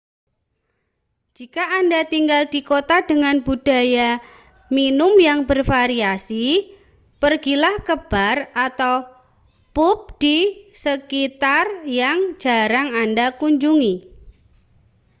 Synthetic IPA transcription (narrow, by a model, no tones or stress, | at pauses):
d͡ʒ̥ikaːndat̪iŋɡald̥ikot̪ad̥əŋanbud̥a̤ja | minʊmjaŋbərfaɾiasi | pərɡilahkəb̥arat̪aw | pʊp̚d̥isəkit̪arjaŋd͡ʒ̥aɾaŋandakuɲd͡ʒuŋi